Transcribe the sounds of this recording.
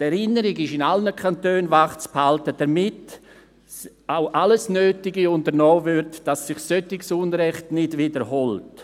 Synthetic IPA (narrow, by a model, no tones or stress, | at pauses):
tɛɾɪnəɾɪɡɪʃɪnalnəkʰantøːnvaχt͡sphaltəd̥ɐmɪt | awʔaləsnøːtɪɡiʊndəɾnɔːvʏɾtd̥asːɪχsøtɪksunɾɛχtnɪdvɪdəɾɦɔlt